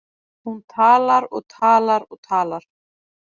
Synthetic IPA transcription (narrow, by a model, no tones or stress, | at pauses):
hunt̪ʰaːlaɾɔɣt̪ʰaːlaɾɔɣt̪ʰaːlaɾ̥